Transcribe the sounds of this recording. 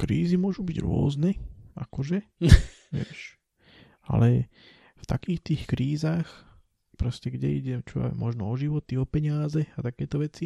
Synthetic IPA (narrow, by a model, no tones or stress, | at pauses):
kɾiːzimʊɔʒubiɟɾʊɔ̰znɛʔa̰kɔʒɛ | ʋɪɛ̰ʃ | a̰lɛ | ft̪a̰kiːxt̪iːxkɾiːzaːx | pɾɔscɛɡɟɛiɟɛt͡ʃɔa̰mɔʒnɔɔʒiʋɔt̪iɔpɛɲɪazɛat̪akɛːt̪ɔʋɛt͡si